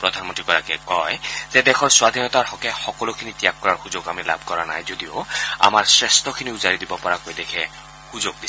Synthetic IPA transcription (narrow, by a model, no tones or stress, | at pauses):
pɹɔd̪ʱanmɔntɹikɔɾakɛkɔjzɛd̪ɛxʰɔɹswad̪ʱinɔt̪aɹhɔkɛxɔkɔlokʰinitijakːɔɹaɹxuzoɡamilabʱkɔɹana̰jzod̪ioa̰maɹsɹɛstʰɔkʰiniuzaɹidibɔpɔɹakojdɛkʰɛ | huzoɡ̚dis